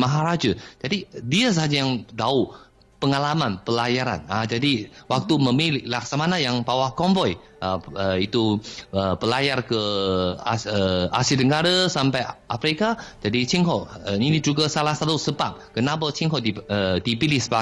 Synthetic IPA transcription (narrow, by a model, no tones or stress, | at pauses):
maɦaɾad͡ʒəd͡ʒadidias̬aɦad͡ʒajaŋdauʔ | pəŋalamanpəlajaɾa̰nad͡ʒadiwak̚t̪uməmilɪʔlaksamanajaŋbawahkɔmvɔj | əəit̪uəpəlajarkə | əasiadəŋɡaɾasampajʔafɾikad͡ʒadit͡ʃiŋɦɔʔninid͡ʒuɡasalahsat̪usəba̰p̚kənap̬ət͡ʃiŋɦɔiədipilɪsəba